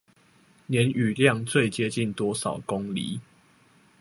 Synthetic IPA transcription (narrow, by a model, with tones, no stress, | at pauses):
njɛ˨˦ny˨˩ljɑ˥˨ŋt͡swe˥˨ɪt͡ɕjɛ˦t͡ɕi˥˨nt̪wɔ˦sɑ˨˩ʊko˦ŋlḭ˨˦